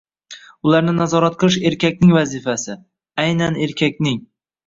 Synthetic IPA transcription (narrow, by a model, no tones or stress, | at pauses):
ʊlaɾnɪnazɒɾat̪̚qʰɨlˠɪʃe̞ɾkʲakʲnɪŋvazifasɪ | ajnane̞ɾkʲʰakʲnɪŋ